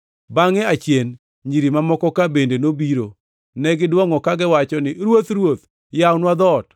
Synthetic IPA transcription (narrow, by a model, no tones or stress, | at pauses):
baŋɛat͡ʃjen | ɲiɾimamɔkɔkabendenobiɾo | nɛɡɪdwɔŋɔkaɡɪwat͡ʃɔnɪɾwot̪ɾwot̪̚ | jawnwad̪ɔt